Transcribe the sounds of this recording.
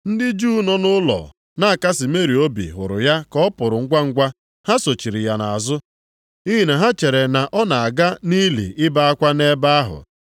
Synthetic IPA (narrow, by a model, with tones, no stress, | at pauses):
n̩˦dɪ˦d͡ʒuː˦nɔ˦nʊ˦lɔ̰˨ | na˦a˨ka˦sɪ˨me˦ɾi˨o˦bḭ˨ɦʊ̰˨ɾʊ̰˨ja˦kɔ˦pʊ˨ɾʊ˨ŋ̩˦ɡʷa˦ŋ̩˦ɡʷa˦ | ha˦so˨t͡ʃi˨ɾi˨ja˨na˨zʊ˦ | i˦ɦi˨na˨ɦa˦t͡ʃe˨ɾe˨na˨ʔɔ˦na˨a˨ɡa˦ni˦lḭ˨ʔɪ˦ba˦a˦kʷa˦ne˦ba˦a˦ɦʊ̰˨